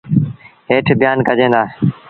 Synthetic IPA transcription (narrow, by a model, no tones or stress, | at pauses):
ɦeːʈʰbjaːnkəd͡ʒẽːnd̪aː